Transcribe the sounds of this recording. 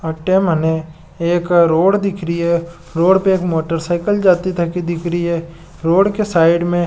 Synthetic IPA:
ɐʈeːmɦɐne | eːkɾoːɽd̪ɪkʰɾiɦɛ | ɾoːɽpeeːkmoːʈəɾsaːɪkəld͡ʒaːt̪it̪ʰɐkid̪ɪkʰɾiɦɛ | ɾoːɽkesaːɪɖmẽ

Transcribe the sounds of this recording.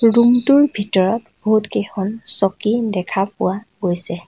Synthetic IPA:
ɹumtuɹbʱitɔɹɔt | bɔɦutkexɔnsɔkidɛkʰapʊa | ɡojsɛ

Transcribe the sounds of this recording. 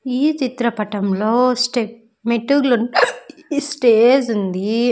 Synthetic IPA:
iːt͡ʃit̪ɾɐpɐʈɐmloːsʈe | meʈːuɡlun | sʈeːd͡ʒund̪i

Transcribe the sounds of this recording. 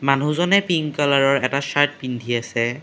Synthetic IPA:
manuzɔnɛpiŋkɔlaɹɔɹɛtasaɹt̚bindʱiasɛ

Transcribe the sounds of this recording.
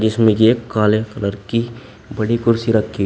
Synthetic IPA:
d͡ʒɪsmẽd͡ʒeːkːaːlekɐləɾki | bɐɽikʊɾsiɾɐkʰːi

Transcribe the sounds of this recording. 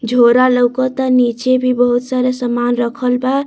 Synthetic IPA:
d͡ʒʱoɾaləwkɔt̪ʌnit͡ʃebʱibʌɦut̪saɾʌsəmanrʌkʰəlba

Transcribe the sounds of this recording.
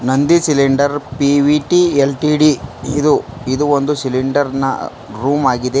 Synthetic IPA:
nɐnd̪isiliɳɖɐɾpiʋiʈielʈiːɖiid̪uid̪uond̪usiliɳɖɐɾnɐ̰ | ɾuːmaːɡid̪e

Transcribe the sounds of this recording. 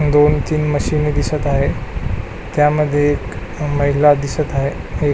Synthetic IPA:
d̪ont̪iːnməɕined̪isət̪aɦe | t̪jaməd̪ʱːjeːk | məɦilad̪isət̪aɦee

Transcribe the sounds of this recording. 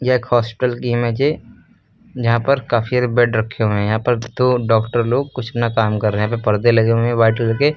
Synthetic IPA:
jaeːkhɔːspɪ̥ʈəlkimed͡ʒe | d͡ʒɐɦãpəɾkaːfiaɾebɛɖɾɐkʰːeɦuẽjɐɦãːpəɾt̪oɖɔːkʈəɾloːɡ̚kʊt͡ʃʰnakaːmkɐɾːẽɦjɦãːp̬epɐɾd̪elɐɡeẽʋaːɪʈllɐɡe

